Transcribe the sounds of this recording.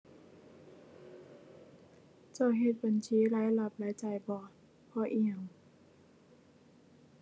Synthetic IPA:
t͡ɕa˧˩wɦe˧t̪̚ba˨nt͡ɕʰiː˨˦laː˨˦jla˧˩p̚laː˨˦jt͡ɕa˨˩jbɔː˧˩t̪̚ | pʰɔː˧˩ʔi˧˩ə˨ŋ

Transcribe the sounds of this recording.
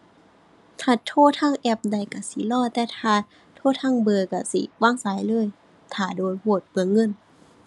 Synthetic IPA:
t̪ʰaː˧˩t̪ʰoː˧˩˨t̪ʰaː˧˥˨ŋʔɛ˧˩p̚da˧˩jka˧˩si˧˦lɔː˧˥˨t̪ɛː˧t̪ʰaː˧˩ | t̪ʰoː˧˥˨t̪ʰaː˧˥˨ŋbɤː˧˩ka˧˩sḭ˧˦waː˧˥˨ŋsaː˨˦jlɤː˧˥˨j | t̪ʰaː˧˩doː˨jhoː˧˩t̪̚pɯ˧˩əŋːɤ˧˥˨n

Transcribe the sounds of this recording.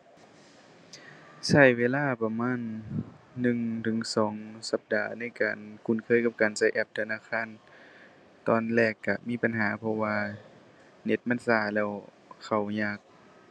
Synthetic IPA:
sa˧˩jweː˧˨laː˧˥˨pa˧maː˧˥˨nː | ɯ˧˨ŋt̪ʰɯ˨˩˦ŋsɔː˨˩˦ŋsa˧˦p̚daː˨˩na˧˥˨jkaː˨˩nku˧˩˨nkʰɤː˧˥˨jka˧p̚kaː˨nsa˧˩jʔɛ˧˩p̚t̪ʰa˧naː˧˥˨kʰaː˧˥˨n | t̪ɔː˧nlɛː˧˩kːa˧˩miː˧˥˨pa˨nɦaː˩˦pʰɔ˧waː˧ | ne˧˦t̪̚ma˧˥˨nsaː˧˩lɛː˧˩w | kʰa˨˩wɲaː˧˩k̚

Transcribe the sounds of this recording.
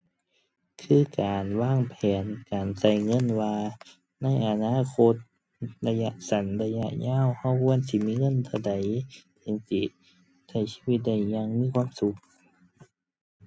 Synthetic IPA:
kʰɯː˧˥˨kaː˨nwaː˧˥˨ŋpʰɛː˨nkaː˨˩nsa˧˩jŋɤ˧˥˨nwaː˧ | na˧˥˨jʔa˨˧naː˧˥˨kʰo˧t̪̚ | la˧ja˧ʔsa˨˦nla˧ja˧ʔɲaː˧˥˨wha˧˩wkʰu˧˥˧ə˨nsi˧˦˨miː˧˥˨ŋɤ˧˥˨nt̪ʰa˧˩wda˨jt̪ʰi˧ŋsi˧˩˨ | sa˧˩jsi̥˧˥˨wi˧t̪̚da˧˩jɲa˧ŋmiː˧˥˨kʰwaː˧˥˨msu˧˦k̚

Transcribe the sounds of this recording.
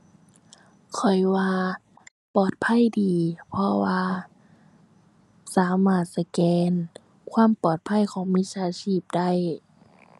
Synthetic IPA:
kʰɔ˨˩jwaː˧ | pɔː˨˩t̪̚pʰa˧˥˨jdiː˨pʰɔ˧waː˧ | saː˨˦maː˧˩t̪̚sa˧kɛː˧n | kʰwaː˧˥˨mpɔː˨˩t̪̚pʰa˧˥˨jkʰɔː˨˦ŋmi˧˥saː˧˥siː˧˥˩p̚da˥˩˨j

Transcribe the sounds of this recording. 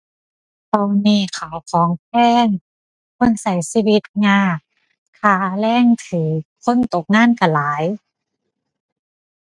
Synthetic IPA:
pɔ˧˩wniː˧˩kʰa˨˩wkʰɔː˨˦ŋpʰɛː˧˥˩ŋ | kʰo˧˥˨nsa˨˦jsiː˧˩wi˧˦t̪̚ŋaː˧˩k | kʰaː˧˩lɛː˧˥˨ŋt̪ʰɯː˩˦kʰo˧˥˨nt̪o˧˦k̚ŋaː˥˨nka˧˩laː˨˦j

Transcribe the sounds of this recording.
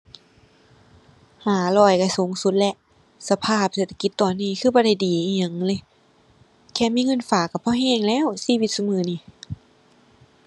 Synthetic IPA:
haː˨˩˦lɔː˧˩jka˧˩so˨˦ŋsu˧˦t̪̚lɛ˧ʔ | sa˧pʰaː˧˩p̚seː˧˩t̪ʰa˧ki˧˦t̪ːɔː˨˩nːiː˧˩˨kʰɯː˧˩bɔː˧˦ɾa˧˩jdiː˨˩ʔiː˧˩ɲa˧˩˨ŋlɤː˧˩˨ | kʰɛː˧˩miː˧˥˨ŋɤ˧˥˨nfaː˨˩kːa˧˩pʰɔ˧˨ɦɛː˧˩˨ŋlɛː˧˥˨wsiː˧˨wi˧t̪̚su˧mɯː˧˩niː˧˩˨

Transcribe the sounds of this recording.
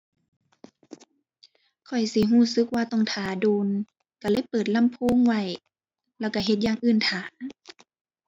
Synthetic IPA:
kʰɔ˨˩jsi˧˦ɦuː˧˥˩sɯ˧˦k̚waː˧t̪ɔ˧˩ŋt̪ʰaː˨˦doː˧˦n | ka˧˩lɤː˧˥˨jpɤː˨˩t̪̚la˧˥˨mpʰoː˧˥˨ŋwa˧˩j | lɛː˧˩wka˧˩ɦe˧˦t̪̚jaː˧˨ŋʔɯː˧˩nt̪ʰaː˨˦

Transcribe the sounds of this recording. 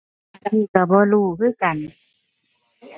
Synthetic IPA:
a˧˨t̪ʰiː˧˩ka˧˩bɔː˧˨luː˧˩kʰɯː˥˨ka˨n

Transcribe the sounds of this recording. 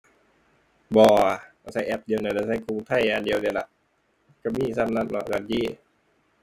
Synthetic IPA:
bɔː˧˩a˧˩ka˧˩sa˧˩jʔɛ˧˩p̚di˧ə˧wna˧˩da˧˩sa˧˩jkʰu˧˨ŋt̪ʰa˧˥˩ja˧ndi˧˨ə˧wni˧˨˩la˧˩ʔ | ka˧˩miː˧˨sa˧˥˨nːa˧˨nlɔ̰˧ka˧˩nt͡ɕiː˧˥˨

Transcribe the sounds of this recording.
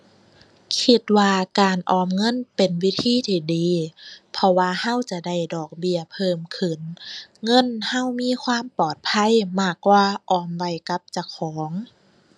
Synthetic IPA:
kʰi˧t̪̚waː˧kaː˨nʔɔː˧˩mŋɤ˧˥˨npe˨nwi˦˧˥t̪ʰiː˧˥˨t̪ʰiː˧˩diː˨˦pʰɔ˧waː˧ha˧˥˨wt͡ɕa˧da˧˩jdɔː˨˩k̚bi˧ɐpʰɤː˧˥˩mkʰɯ˧˩nŋɤ˧˥˨nha˧˥˨wmiː˧˥˨kʰwaː˧˥˨mpɔː˨˩t̪̚pʰa˧˥˨jmaː˧˩kwaː˧ʔɔː˧˩mwa˧˩˨jka˧˦˥p̚t͡ɕa˧˩kʰɔː˨˦ŋ

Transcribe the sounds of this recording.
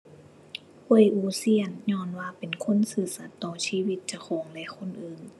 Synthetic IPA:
u˧˩˨jʔuː˧˦si˧˥˨ənɲɔː˧˥˨nwaː˧pe˨nkʰo˧˥˨nsɯː˧˩sa˧˦t̪ːɔː˧˩siː˧˨wi˧˦t̪̚t͡ɕa˧˩kʰɔː˨˦ŋlɛ˧kʰo˧˥˨nʔɯː˨˩ŋ

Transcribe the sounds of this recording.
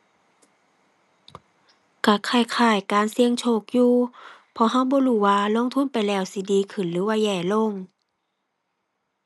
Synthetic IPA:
ka˧˩kʰaː˧˩jkʰaː˧˩jkaː˨nsi˧əŋt͡ɕʰoː˧˩k̚juː˧pʰɔ˧˦ɦa˧˥˨wbɔː˧˦huː˧˩waː˧lo˧˥˨ŋt̪ʰu˧˥˨npa˨jlɛː˧˩wsi˧˦diː˨˦kʰɯ˧˩nlɯː˨˦waː˧jɛː˧˩lo˧˥˨ŋ

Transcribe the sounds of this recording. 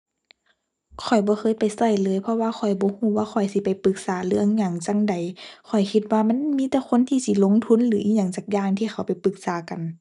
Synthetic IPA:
kʰɔ˨˩jbɔː˧˦xʰɤː˧˥˨jpa˨jsa˧˩jlɤː˨˦jpʰɔ˧waː˧xʰɔ˨˩jbɔː˨˧˦huː˧˩waː˧xʰɔ˨˩jsi˧˦pa˨jpɯ˧˦k̚saː˨˦lɯ˧˨əŋɲa˧˩ŋt͡ɕa˧˨ŋda˨˩jkʰɔ˨˩jkʰi˧t̪̚waː˧ma˧˥˨nmiː˧˥t̪ɛː˧˦kʰo˧˥˨nt̪ʰiː˧˨si˧˩lo˧˥˨ŋt̪ʰu˧˥˨nlɯː˨˦ʔiː˧ɲa˧˩ŋt͡ɕaː˧˩k̚jaː˧˨ŋt̪ʰiː˧˩xʰa˨˩wpa˨˩jpɯ˧˦k̚saː˨˦ka˨n

